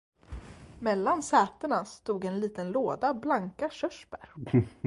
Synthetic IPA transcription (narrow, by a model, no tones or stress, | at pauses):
mɛlːansɛːt̪əɳast̪uːɡɛnliːt̪ənloːd̪ablaŋkaɕœʂpæɾ